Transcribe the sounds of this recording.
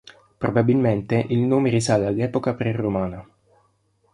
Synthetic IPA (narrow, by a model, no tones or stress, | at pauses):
pɾobabilment̪eʔilnoːmeɾisalalːɛːpokapɾeromaːna